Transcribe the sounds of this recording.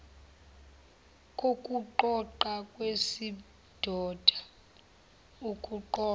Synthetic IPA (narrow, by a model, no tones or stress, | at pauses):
kʼokʼuǃɔǃakʼwesi | d̥ʱɔːd̥ʱa | ukʼuǃɔː